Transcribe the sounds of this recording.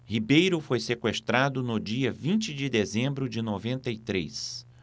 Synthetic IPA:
hibejɾʊfojsekwest̪ɾad̪ʊnʊd͡ʒiɐvĩnt͡ʃɪd͡ʒɪd̪ezẽmbɾʊd͡ʒɪnovẽnt̪ɐit̪ɾḛs

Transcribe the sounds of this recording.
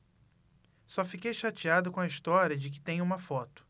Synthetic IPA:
sɔfikejʃat͡ʃiad̪ʊkõɐist̪ɔɾʲiɐd͡ʒɪk̬ɪ̥t̪ẽj̃ũmɐfɔt̪ʊ̥

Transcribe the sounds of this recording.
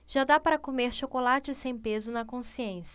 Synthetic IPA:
ʒ̥ad̪apaɾɐkomeɾʃokolat͡ʃɪsẽj̃pezʊnɐkõsiẽsɐ

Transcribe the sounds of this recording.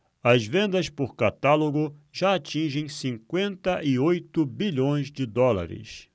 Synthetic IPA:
ɐzvẽnd̪ɐspoɾkat̪aloɡʊʒaat͡ʃĩʒẽj̃sĩŋkwẽnt̪ɐʔɪojt̪ʊbiʎõj̃zd͡ʒɪd̪ɔla̰ɾɪ̰s

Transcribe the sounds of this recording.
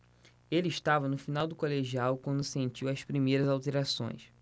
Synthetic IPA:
elɪiʃt̪avɐnʊfinawd̪ʊkoleʒiawkwɐ̃nd̪ʊsẽnt͡ʃiwɐspɾimejɾɐzawt̪eɾasõ̰j̃s

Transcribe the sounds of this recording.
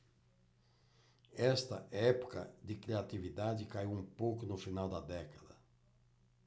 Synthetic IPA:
ɛst̪ɐ̰ʔɛpu̥kɐ̰d̪ɪkɾiat̪ivid̪ad͡ʒɪkaiwũmpowkʊnʊfinawd̪ɐd̪ɛkɐd̪ɐ

